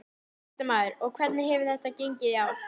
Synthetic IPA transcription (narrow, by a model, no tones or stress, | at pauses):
t̪amaːðʏɾɔɣkʰvɛt̪nɪɾɦɛvɪɾ̥θɛht̪aceɲcɪðjaw